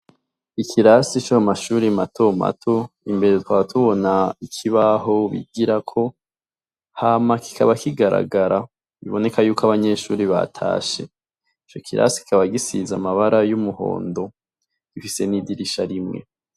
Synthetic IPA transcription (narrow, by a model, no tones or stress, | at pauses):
ikʰiɾasit͡ʃuamaʃuːɾimatʰo̞ma̰tʰo̞imbe̞ɾetwaβatʰuβo̞naikʰiβaɦo̞βḭɡiɾakʰo̞ | hamaki̥kʰaβakiɡaɾa̰ɡaɾa | βḭβo̞ne̞kajuːkaβaɲe̞ʃuːɾiβa̰tʰa̰ːʃe̞̰ | it͡ʃokʰiɾa̰si̥ki̥kaβaɡisizamaβaɾajumuho̞̰ːndo̞ | ɡ̥ifise̞nidiɾiʃaɾimŋe̞̰